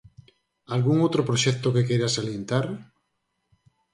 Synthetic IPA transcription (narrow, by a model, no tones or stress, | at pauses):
alɣuŋowt̪ɾopɾoʃɛk̚t̪okekejɾasaljẽnt̪aɾ